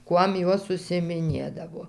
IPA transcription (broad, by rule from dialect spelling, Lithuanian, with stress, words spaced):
ˈkuɔm ˈjoːs ʊʃʲsʲɪɪmʲɪˈnʲeːdɐʋoː